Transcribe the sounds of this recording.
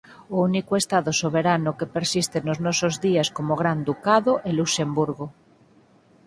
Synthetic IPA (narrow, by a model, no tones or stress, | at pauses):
ounikoest̪aðosoβ̞eɾanokepeɾsist̪enoznosozðiaskomoɣ̞ɾand̪ukaðoʔelusembuɾɣo